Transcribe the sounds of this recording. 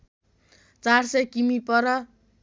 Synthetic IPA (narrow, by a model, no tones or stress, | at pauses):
t͡sarsʌkimipʌɾʌ